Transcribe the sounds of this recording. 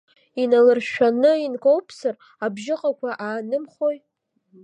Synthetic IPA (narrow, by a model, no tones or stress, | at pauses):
inalɨrʃᶣanɨinkʼowpʰsɨr | abʒɪqʼakʷʰaʔaːnɨmχoj